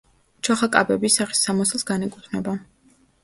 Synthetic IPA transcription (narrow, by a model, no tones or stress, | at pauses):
t͡ʃʰɔχakʼa̰bɛbisaχi̥sːamaslˠsɡanikʼut̪ʰnɛba